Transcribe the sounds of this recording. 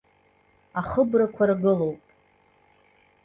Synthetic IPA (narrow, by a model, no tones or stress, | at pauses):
aχəbrakʷʰarɡɨlo̞wpʼ